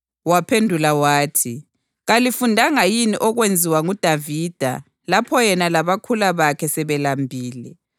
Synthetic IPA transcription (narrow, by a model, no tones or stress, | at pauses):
wapʰendʱulawaːtʰi | ɣalifundʱaŋajiniʔɔɣwend͡zʱiwaŋud̥ʱavid̥ʱa̰ | lapʰɔjɛnalaβakʰulaβakʰɛsɛβɛlambʱiːlɛ